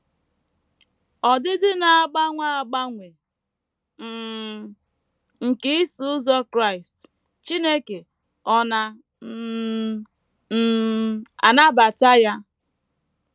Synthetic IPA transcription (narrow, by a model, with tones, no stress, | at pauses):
ɔ˨dɪ˦dɪ˦na˨a˦ɡ͡ba˦ŋʷa˦a˨ɡ͡ba˦ŋʷe˨ | ŋ̩˨ke˦ɪ˦su˨ʊ˦zɔ˦kɾa˦i˨st | t͡ʃi˦ne˦ke˨ | ɔ˦na˨˦ | a̰˨na˦ba˨ta˦ja˦